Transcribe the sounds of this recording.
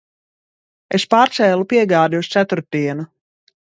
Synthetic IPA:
espaːɾt̪sɛːlˠupiɛɡaːd̪ʲiust̪sæt̪uɾt̪ːiɛnu

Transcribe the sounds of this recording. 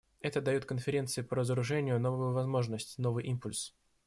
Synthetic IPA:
ɛt̪əd̪ɐjot̪kənfʲɪɾʲe̞nt̪sɨɪpəɾəzəɾʊʐɛnʲɪjʊno̞vʊjʊvɐzmo̞ʐnəsʲtʲno̞vɨjʔimpʊlʲs

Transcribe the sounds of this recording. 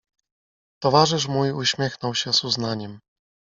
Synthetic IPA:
t̪ɔvaʐɘʂ̬mujuɕmʲjɛxnɔwɕɛzuznaɲɛm

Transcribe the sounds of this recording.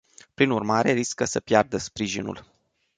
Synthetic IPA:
pɾinurmaɾe̞ɾiskəsəpjard̪əspɾiʒinṵl

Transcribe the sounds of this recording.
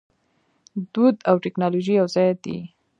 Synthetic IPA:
d̪ud̪awʈɪknɑloʒijawzɑjd̪ḭ

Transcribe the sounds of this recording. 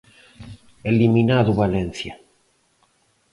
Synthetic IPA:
eliminaðuβalen̟θja

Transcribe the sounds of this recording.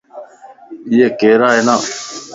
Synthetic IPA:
ɪjeːkeːɾaːeːnaː

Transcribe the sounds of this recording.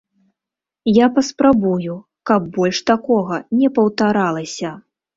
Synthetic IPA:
japɐspɾabuju | kɐbːɔlʲʂt̪akɔɣɐnʲɛpɐwt̪aɾalˠɐsʲɐ

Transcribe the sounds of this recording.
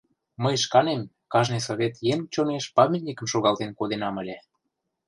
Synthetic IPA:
məjʃkɑnem | kɑʒnɨjs̬oβʲet̪jemt͡ɕoneʃpɑmʲet̪̚ʲnʲikə̆mʃoɣɑlt̪enkod̪enɑmə̆lʲĕ

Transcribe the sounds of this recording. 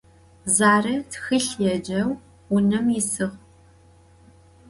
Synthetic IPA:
zaːrɐtxɨɬjɛd͡ʒɐw | ʊnɐmɪsɨʁ

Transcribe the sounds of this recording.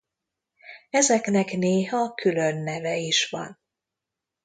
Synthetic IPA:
ɛzɛknɛkneːɦɒkʰylønːɛvɛiʃʋɒ̰n

